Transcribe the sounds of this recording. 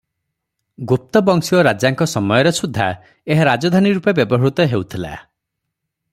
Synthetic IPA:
ɡup̚t̪ɔbɔŋksiɔɾad͡ʒjaŋkɔsɔmɔjɔɾesud̪ʱːa | eɦaɾad͡ʒɔd̪ʱaniɾupebjɔbɔɦɔɽut̪ɔɦewt̪ʰila̰

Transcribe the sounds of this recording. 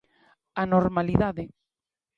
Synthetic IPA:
anoɾmaliðaðe

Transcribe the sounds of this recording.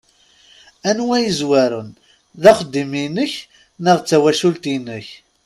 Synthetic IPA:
ænwæjəzwæɾən | ðæχəd̪ːiminːəç | nəʁt͡sːæwæʃult̪inːəç

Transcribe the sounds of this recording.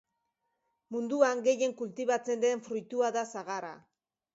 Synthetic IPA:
mund̪uaŋɡe̞je̞ŋkult̪iβat͡se̞nd̪e̞ɱfɾujt̪uaðasaɣaɾa̰

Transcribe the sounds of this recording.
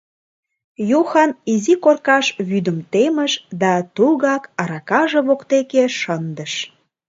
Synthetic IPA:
juxɑnizikorkɑʃβyd̪əmt̪eməʃd̪ɑt̪uɣɑkɑɾɑkɑʒeβokt̪ekeʃənd̪əʃ

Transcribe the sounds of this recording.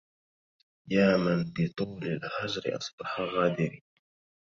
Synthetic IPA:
jaːmanbɪt̪ˤuːlalhad͡ʒɾɪ̰ʔɑ̰sˤbɑħaɣaːd̪ɪɾi

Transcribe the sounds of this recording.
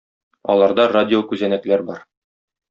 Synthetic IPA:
ɒ̰lˠɑɾd̪ɑradʲɪokʉzænæklæɾbɒɾ

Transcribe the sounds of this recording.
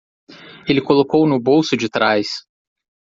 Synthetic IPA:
elɪkolokownʊbowsʊd͡ʒɪt̪ɾajs

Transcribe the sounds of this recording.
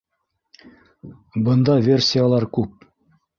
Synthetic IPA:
bɤ̆nd̪ɑvʲe̞rʲsʲijalˠɑɾkʉp̚

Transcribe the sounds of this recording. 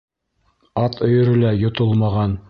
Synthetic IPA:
ɑt̪ʰŏjɵ̆ɾɘ̆læjŏt̪olˠmɑʁɑn

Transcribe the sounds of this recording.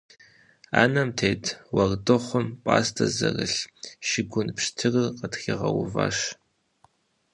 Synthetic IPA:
a̰ːnɐmtʰeːtʰwɐrdɨχʷʊmpʼaːstʰɐzɐrɨɬʃɪɡʷʊnpʂtʰɨrɨrqətxiʁɐwʊva̰ːʃ

